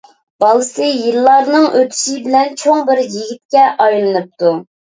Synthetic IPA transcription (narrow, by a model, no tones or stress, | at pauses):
b̥ɑlˠɨsɨjilːɑɾnɨŋʔøt̪ʰy̥ʃɪbɪlɛnt͡ʃʰoŋbɪɾjiɡʲit̪̚kʲɛʔɑjlˠɨnɨp̚t̪u